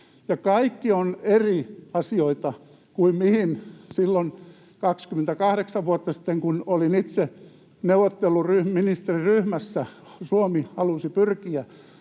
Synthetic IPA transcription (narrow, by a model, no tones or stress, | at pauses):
jɑkɑikːioneriɑsioit̪ɑ | kuimmihinsilːon | kɑkskyment̪ækɑhɾeksɑʋʋuot̪ːɑsi̥t̪ːeŋkunolinit̪se | neuʋˑot̪ːelːˑuryhmminist̪eriryhmæsːæ | suomihɑlusipyrkiæ